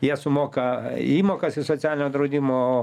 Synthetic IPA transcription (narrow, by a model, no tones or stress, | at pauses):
jiɛsʊmoːkɐiːmoːkɐsɪsot̪sʲæːlʲɪnʲoːd̪ɾɐʊd̪ʲimoː